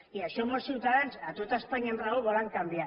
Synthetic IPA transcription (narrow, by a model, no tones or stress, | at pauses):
iaʃomosiwt̪aðensat̪ut̪aspaɲenraɣoβoɾaŋkamb̪ia